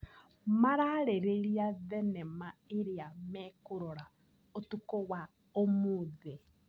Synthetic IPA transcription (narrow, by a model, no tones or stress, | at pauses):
maɾaɾeɾeɾiaðɛnɛmaeɾeamɛkoɾɔɾa | otukɔwa | omoðɛ